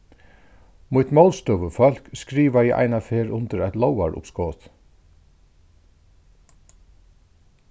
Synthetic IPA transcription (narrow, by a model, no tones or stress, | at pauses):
mʊt̪mawlst̪œʋəfœl̥kskɾiːʋajɛʔa̰jnafeːɾʊnt̪əɾajt̪lɔwa̰ɹʊ̰pskɔːt̪